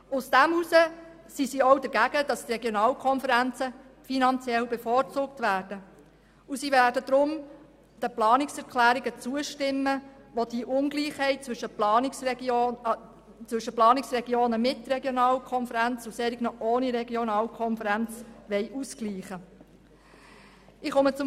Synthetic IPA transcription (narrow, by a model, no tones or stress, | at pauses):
ʊsd̥æmhusə | sisiɔwdəɾɡæɡ̥əd̥ɑstrɛɡjonɑːlkʰɔnfəɾænt͡səfinɑnt͡sjɛlbɛfɔːrt͡suːk̚tʋæːrd̥ə | usiʋæːɾdəd̥̪ɾʊm | d̥əplɑːnɪksɛɾkʰlæːɾiɡət͡suəʃtɪmːəʋod̥iʔʊnɡliːχhɛɪt̚t͡sʋɵʃəplɑːnɪksɛo | t͡sʋʏʃəplɑːnɪksrɛɡjoːnəmɪtɾɛɡjonɑːlkʰɔnfəɾænt͡susɛɾiɡnɔʔoːniɾɛɡionɑːlkʰɔnfəɾænt͡sʋɛɪʔuskliːχə | ɪχomət͡sʊ